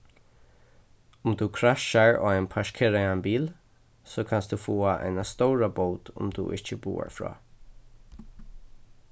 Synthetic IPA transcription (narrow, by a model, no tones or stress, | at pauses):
ʊmd̪uːkʰɾaʃaɹo̰ɛnpʰaʃkʰɪɾaanbiːl | soːkʰansd̪uːfuːaʔɛ̰nast̪oːɹaboːd̪ʊ̰md̪ṵːʔɪt͡ʃəbṵːa̰ɹfɹɔ̰ː